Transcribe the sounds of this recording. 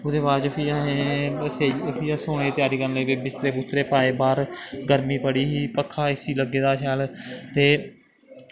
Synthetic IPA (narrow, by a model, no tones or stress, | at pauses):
ʊd̪eːbaːd͡ʒopʰiːaːɦẽseːipʰiːasoːñeːt̪ɪjaːɾiːkəɾnləiːbeːbɪst̪ɾeːbʊst̪ɾeːpaːeːbaːɾɡəɾmiːpəɽiːɦiːpəkʰːaːɪsiːləɡeːd̪aːʃaːlt̪eː